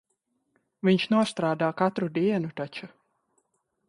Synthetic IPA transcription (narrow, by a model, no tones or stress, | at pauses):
viɲʃnuɔst̪ɾaːd̪aːkat̪ɾud̪iɛnut̪at͡ʃu